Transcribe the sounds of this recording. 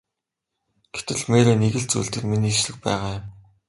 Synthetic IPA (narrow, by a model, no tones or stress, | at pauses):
ɡ̥e̥t̪ɘ̆ɮmeːɾeːneɣɘ̆ɬt͡sṵjɮt̪ɘ̆kminiːʃɮɘ̆xpæ̰ːʁaːjʊ̆m